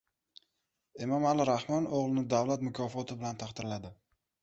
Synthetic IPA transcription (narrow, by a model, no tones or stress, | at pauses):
emɒmalɪɾahmɒnoʁlˠɪnɪd̪avlat̪mʊkʰɒfɒt̪ʰɪbɪlant̪ʰɑχt̪ɪɾlad̪ɪ